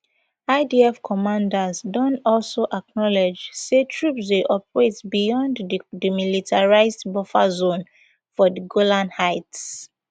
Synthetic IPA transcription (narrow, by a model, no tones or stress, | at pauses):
aɪdiɛfkʰɔmãndazdɔ̃nɔlsoʔak̚nɔled͡ʒsetʰɹupsdeʔɔp̚ɹezbijɔ̃nddimilitʰaɹaɪzdbɔfa̰zõn | fɔdəɡolãnhaɪts